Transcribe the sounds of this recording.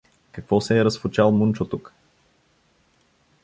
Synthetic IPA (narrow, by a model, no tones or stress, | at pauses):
kɐkvɔsɛːɾɐsfʊt͡ʃalˠmunt͡ʃot̪uk